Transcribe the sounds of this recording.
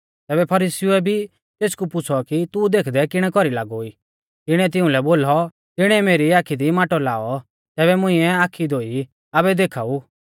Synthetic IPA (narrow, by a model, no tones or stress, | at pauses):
t̪ɛːbɛpʰɐɾisiuɛbʱi | t̪eːskupʊt͡sʰɔkit̪ud̪eːkʰd̪ɛkɪɽ̃ɛkɔɾila̰ːɡoi | t̪ɪɽ̃ɛt̪̬ɪ̃ũlɛboːlɔ | t̪ɪɽ̃ɛɛmeːɾiaːkʰid̪imaːʈɔla̰ːɔ | t̪ɛːβɛmʊ̃ĩɛaːkʰid̪oːi | abɛd̪eːkʰaːuː